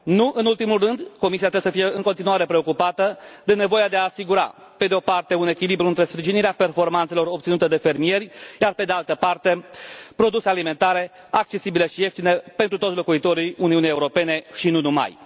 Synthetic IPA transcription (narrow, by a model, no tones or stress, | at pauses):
nuʔɨnult̪imulrɨnd̪ko̞misiat̪ɾebesəfije̞ɨŋko̞nt̪inuaɾe̞pɾe̞okupat̪əd̪e̞ne̞vo̞jad̪e̞aːsiɡuɾa̰ | pe̞d̪eo̞part̪e̞une̞kʲilibɾuɨnt̪ɾe̞spɾiʒiniɾeape̞rfo̞rmant̪selo̞ɾop̚t̪sinut̪əd̪e̞fe̞rmije̞ɾʲjarpe̞d̪ealt̪əpart̪e̞pɾo̞d̪usealime̞nt̪aɾe̞ | ak̚t͡ʃe̞sibileʃije̞ft̪inepe̞nt̪ɾut̪ot̪slo̞kuit̪o̞ɾijuniunijeuɾo̞pe̞ne̞ʃinunuma̰j